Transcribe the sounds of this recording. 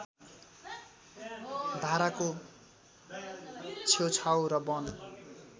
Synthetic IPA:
d̪ʱaɾako | t͡sʰewt͡sʰawɾʌbʌn

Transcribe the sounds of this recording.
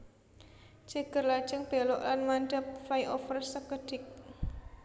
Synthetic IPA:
d͡ʒ̥əɡ̥ə̤rlḁd͡ʒəŋb̥e̤lɔʔlanmandəp̚fajʔofərsəkəɖ̥ɪk̚

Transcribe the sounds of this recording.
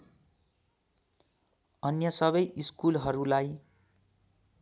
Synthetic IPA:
ʌnjʌsʌβʌjʔiskulɦʌɾulaj

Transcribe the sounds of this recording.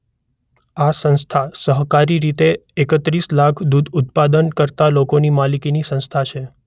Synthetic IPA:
asə̃ñst̪ʰasəɦkaɾiɾit̪eːkət̪ɾislakʰd̪ud̪ʊt̪̚pad̪ənkəɾt̪alokonimalikinisə̃nst̪ʰat͡ʃʰe

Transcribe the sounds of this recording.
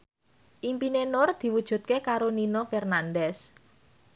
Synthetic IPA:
ʔimpinenʊrd̪̥i̤wud̥ʒ̥ṳt̪̚kekaɾoninofɛrnandɛs

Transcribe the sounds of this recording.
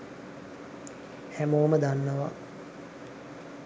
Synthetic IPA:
hæmoːməd̪anːəʋa̰

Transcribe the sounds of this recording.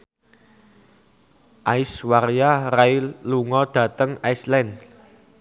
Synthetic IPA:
ʔaiswaɾijarailːuŋɔd̥ä̤t̪əŋaislɛnd

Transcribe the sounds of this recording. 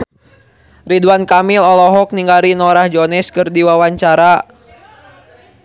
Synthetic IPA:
riduankamilɔlɔɦɔk̚niŋɡaɾinɔɾahd͡ʒɔnɛskɨrdiwawaɲt͡ʃaɾa

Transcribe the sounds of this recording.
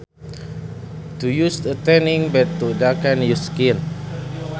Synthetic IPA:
t̪ujusdət̪ɛnĩŋbɛtːudakɛ̃njuskin

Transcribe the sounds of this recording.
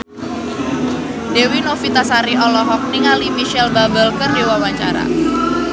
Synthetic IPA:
dewinofit̪asaɾiʔɔlɔɦɔk̚niŋalimiʃɛlbabəlkərdiwawaɲt͡ʃa̰ɾa̰

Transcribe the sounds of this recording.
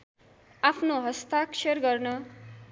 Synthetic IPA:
apʰnoɦʌst̪aksʰʌrɡʌrnʌ

